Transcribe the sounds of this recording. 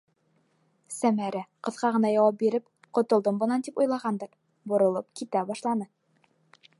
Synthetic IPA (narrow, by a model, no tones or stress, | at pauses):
sæmæɾæqɤ̆ðʁɑʁɤ̆nɑjɑwɑp̬̚biɾɘp | qŏt̪ŏlˠd̪ɤmbŏnɑnt̪ipujlˠɑʁɑnd̪ɤɾ | bŏɾŏlˠɤp̚kit̪æbɑʃlˠɑnɤ